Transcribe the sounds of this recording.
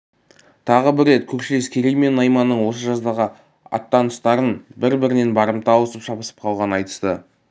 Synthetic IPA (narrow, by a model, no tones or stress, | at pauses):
t̪ʰɑʁəbɪɾːe̞t̪kʲʰɵɾʃɪle̞skʲʰe̞ɾejme̞nːɑjmɑnəɴwo̞səʒɑzd̪ɑʁə | ɑ̰t̪ːɑnʊst̪ɑɾənbɪɾbɪɾɪne̞nbɑɾəmt̪ɑwəsəpʃɑpəsə̥p̚qʰɑlˠʁɑnənɑjt̪ə̥st̪ə̰